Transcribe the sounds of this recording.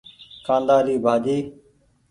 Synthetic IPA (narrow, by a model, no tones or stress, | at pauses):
kʰãːnd̪aːɾiːbʱaːd͡ʒiː